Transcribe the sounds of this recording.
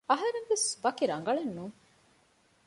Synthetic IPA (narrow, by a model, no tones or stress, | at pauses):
ɐɦɐɾeŋʋesʋɐkiɾɐŋɡɐɭenːuŋ